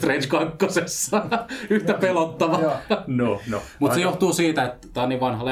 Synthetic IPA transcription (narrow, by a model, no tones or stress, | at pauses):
t̪renskɑkːosesːɑyht̪æpelot̪ːɑʋɑnonomut̪sejoht̪uːsiːt̪æet̪t̪æːˑoniːʋʋɑnhɑle